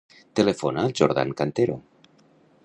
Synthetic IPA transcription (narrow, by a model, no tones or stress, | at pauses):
t̪elefonalʒoɾða̰ŋkant̪eɾo̰